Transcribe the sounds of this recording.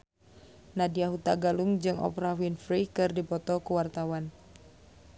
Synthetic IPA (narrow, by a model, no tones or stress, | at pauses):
nadiaɦut̪aɡaluŋd͡ʒɨŋʔɔ̰pɾawinfɾikɨrdipɔt̪ɔkuwart̪awan